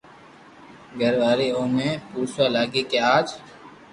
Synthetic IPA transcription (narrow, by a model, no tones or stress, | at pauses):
ɡʱəɾʋaːɾiːõːmẽːpuːɾswaːlaːɡiːkeaːd͡ʒ